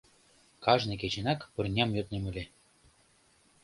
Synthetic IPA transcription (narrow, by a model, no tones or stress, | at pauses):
kɑʒnek̬et͡ɕenɑkpɤ̆rnʲɑmjøt̪nemɘ̆lʲe